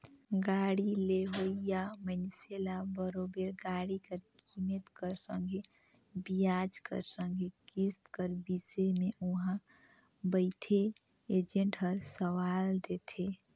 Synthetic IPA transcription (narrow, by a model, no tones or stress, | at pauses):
ɡaɽileɦoijamənselabəɾobeɾɡaɽikəɾkimet̪kəɾsə̃ŋɡʱe | bijad͡ʒkə̰ɾsə̃ŋɡʱekist̪kəɾbisemeʔuɦã | bəɪt̪ʰe | ed͡ʒẽɳʈɦəɾsəwald̪et̪ʰe